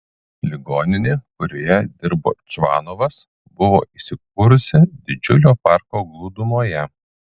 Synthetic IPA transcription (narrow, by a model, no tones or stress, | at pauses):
lʲɪɡoːnʲɪnʲeːkʊɾʲoːjɛd̪ʲɪɾbo̰ːt͡ʃʋɑ̰ːnoʋɐs | bʊʋo̰ːʔisʲɪk̚ʊːɾʊsʲɪd̪ʲɪd͡ʒʲʊlʲoːpɑˑɾkoːɡlˠuːd̪ʊmoːjɛ